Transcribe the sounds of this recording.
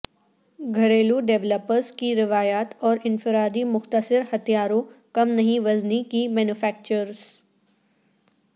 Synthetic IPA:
ɡʱɐɾeːluɖeʋləpəɾzkiɾɪʋaːjaːt̪ɔːɾɪnfɪɾaːd̪imʊxt̪əsɪɾhɐt̪ʰijaːɾõkɐmnɐɦĩʋɐznikimɛ̃ːnufɛːk̚t͡ʃəɾz

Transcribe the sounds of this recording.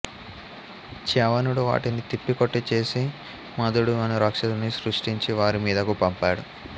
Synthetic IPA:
t͡ʃɛʋɐnuɽuʋa̰ːʈinit̪ipːikoʈːit͡ʃe̞ːsi | mɐd̪uɽuɐnuɾɐkʂɐd̪unisɾuʂʈiɲt͡ʃiʋaːɾimiːd̪ɐkupɐmpaːɽu

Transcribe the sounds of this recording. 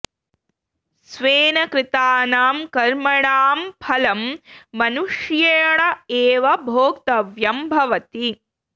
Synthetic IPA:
sʋeːnɐkɾɪt̪aːnaːmkɐɾmɐɳaːmpʰɐlɐmːɐnuʂjeːɽɐeːʋɐbʱoːkt̪ɐʋjɐmbʱɐʋɐt̪i

